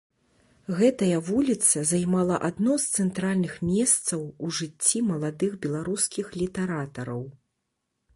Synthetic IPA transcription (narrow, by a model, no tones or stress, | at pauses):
ɣɛt̪ɐjɐvulʲit̪sɐzajmalˠɐʔad̪nɔst̪sɛnt̪ɾalʲnɨxmʲɛst̪sɐwuʐɨt͡sʲːimɐlˠad̪ɨxbʲɛlˠaɾuskʲixlʲit̪ɛɾat̪ɐɾɐw